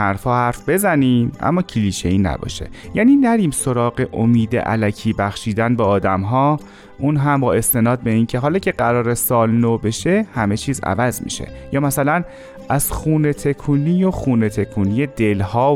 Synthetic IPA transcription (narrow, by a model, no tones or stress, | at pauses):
hæɾfhɒːhæɾfbe̞zæniːmʔæ̰mːɒːcʰiliːʃeiːnæ̰bɒ̰ːʃe̞̰jæːniːnæɾiːmso̞ɾɒːɢe̞ʔomiːd̪ḛʔæ̰læcʰiːbæxʃiːd̪ænbeːd̪æmɦɒː | ʔunɦæmbɒːe̞st̪e̞nɒːd̪̚be̞iːncʰe̞ɦɒːlɒːcʰe̞ɢæɾɒːɾesɒːlnoːbe̞ʃe̞hæme̞t͡ʃʰiːzæ̰væzmḭːʃḛjɒːmæsælæn | æz̥xuːne̞t̪ʰe̞kʰuːnijoxuːne̞t̪ʰe̞kʰuːnijed̪e̞lhɒː